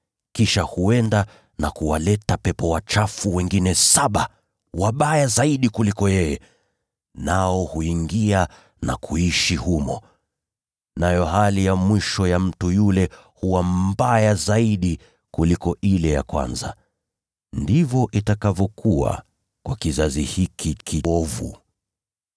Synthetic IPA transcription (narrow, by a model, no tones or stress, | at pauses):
kiʃahuɛnda | nakuwalɛtapɛpɔwat͡ʃafuwɛŋɡinɛsaɓa | waɓajazaiɗikulikɔjɛjɛ | naɔhuiŋɡia | na̰kʰuiʃihumɔ̰ | najɔɦalijamwiʃɔjam̩tujulɛ | huwambajazaiɗi | kulikɔʔilɛja̰kwa̰nza̰ | ndivɔʔitakavɔkʰuwa̰ | kwʔakizazihikʰikʰiɔvṵ